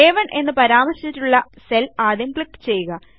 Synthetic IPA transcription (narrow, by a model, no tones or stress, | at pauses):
eːʋɐɳʔe̞nːɨpɐɾaːmɐrɕit͡ɕːitːuɭːɐ | se̞laːd̪jɐmkɭikːt͡ɕe̞jːuɣɐ